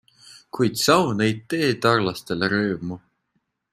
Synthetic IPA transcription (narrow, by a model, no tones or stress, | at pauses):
kujd̪̥sɑwnejd̪̚t̪e̞ːt̪ɑrlɑst̪e̞leɾøːmu